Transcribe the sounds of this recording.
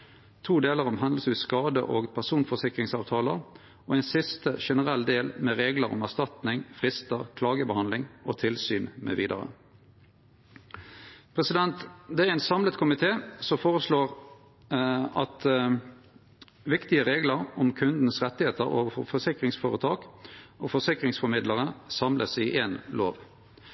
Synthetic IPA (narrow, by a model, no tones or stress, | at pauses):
t̪ʰuːd̪eːləʁɔmɦɑnd̪ləsʉːskɑːd̪ə̰ʔoːɡpʰæʁsuːnfɔsɪkʁɪŋsɑːʋt̪ʰɑːləʁ | ɔɛɪnsɪst̪əʃɛnəʁɛlːd̪eːlmɛʁeːɡləɾɔ̰mæʁst̪ɑt̪nɪŋfʁɪst̪əʁkʰlɑːɡəbəhɑnlɪŋoːt̪ʰɪlsyːnmɛ̰ʋiːd̪ə̰ʁə̰ | pʰʁɛsɪd̪ɛnt̪d̪ɛæʁɛnsɑmlət̪kʰʊmɪt̪ʰeːsɔmfoːʁəsloːʁ | ɑt̪ | ʋɪkt̪ɪəʁeːɡləɾɔmkʰʉnd̪n̩sʁɛt̪ːɪheːt̪əɾo̰ːʋəfɔfɔsɪkʁɪŋsfoːʁət̪ʰɑːkʔofɔsɪkʁɪŋsfɔɾmɪd̪ləʁəsɑmlʔəsɪʔeːnloːʋ